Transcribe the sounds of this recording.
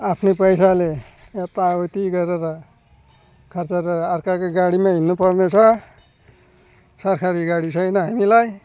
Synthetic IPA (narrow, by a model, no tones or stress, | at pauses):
apʰnepʌjsale | et̪abʌt̪iɡʌɾeɾʌ | kʰʌrt͡sʌɾʌːrkarkoɡaɽimaɦinːupʌrnet͡sʰʌ | sʌrkʰaɾiɡaɽit͡sʰʌjnʌɦamilaj